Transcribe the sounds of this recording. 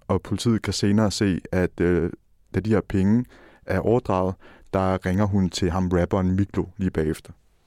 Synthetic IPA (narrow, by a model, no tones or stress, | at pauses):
ɒ̽pʰo̝lit͡sʰḭð̩ˠkʰæse̝ːnɐːse̝̰ːæd̥ | d̥æd̥iheɐpʰeŋə | ʔæɐʔɒʊɐd̥ʁɑ̈ʊð̩ˠd̥ɑ̈ʁeŋɐɦunt͡sʰe̝lɦɑ̈mʁæb̥ɐːnmiɡ̥ʰlo̝liːb̥ɛ̰ːefd̥ɐ